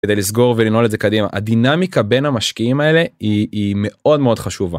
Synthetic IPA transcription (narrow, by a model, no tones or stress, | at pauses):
ed̪ejlisɡo̞ʁvelino̞le̞dzekad̪ima̰ʔa̰d̪inamikabe̞nhamaʃkiimae̞le̞iːme̞ʔo̞d̪meo̞d̥̪χaʃuva